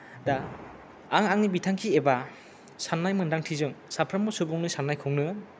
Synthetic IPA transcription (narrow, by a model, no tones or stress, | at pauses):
daː | ŋaŋnibitʰaŋkʰieba | sanːajmɯndaŋtʰizɯŋsapʰɾambɔsubɔŋnɯsanːajkʰɔŋnɯ